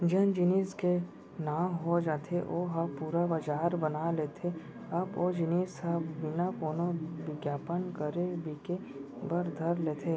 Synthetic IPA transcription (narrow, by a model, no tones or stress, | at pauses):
d͡ʒɐnd͡ʒɪneːske | naːmɦod͡ʒaːt̪ʰeʔoːɦapuːɾabad͡ʒaːɾbɐnaleːt̪ʰe | ɐboːd͡ʒɪneːskabɪnakoːnoʋɪɡjaːpənkəɾebʱike | bɐɾd̪ʱɐɾleːt̪ʰeː